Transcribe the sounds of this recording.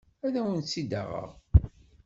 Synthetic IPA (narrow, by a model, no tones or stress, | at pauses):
æðæwənt͡sːid̪a̰ʁə̰ʁ